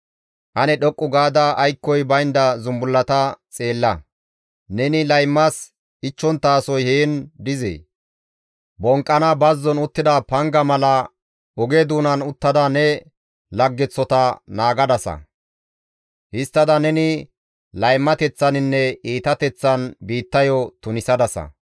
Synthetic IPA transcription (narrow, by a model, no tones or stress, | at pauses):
ʔɐnɛɗɔkʼːʊɡaːd̪ɐʔːjkːɔjbɐjnd̪ɐzʊmbʊlːɐt̪ɐt͡sʼeːlːɐ | nɛnɪlɐjmːɐs | ʔɪt͡ʃːɔnt̪ːaːsɔjheːnd̪ɪzḛː | bɔŋkʼːɐnɐbɐzːɔnʊt̪ːɪd̪ɐpɐŋɡɐmɐlɐ | ɔɡed̪uːnɐnʊt̪ːɐd̪ɐnɛ | lɐɡːɛt͡sːɔt̪ɐnaːɡɐd̪ɐsɐ̰ | hɪst̪ːɐd̪ɐnɛnɪ | lɐjmːɐt̪ɛt͡sːɐnɪnːɛiːt̪ɐt̪ɛt͡sːɐnbiːt̪ːɐjɔt̪ʊnɪsɐd̪ɐsɐ̰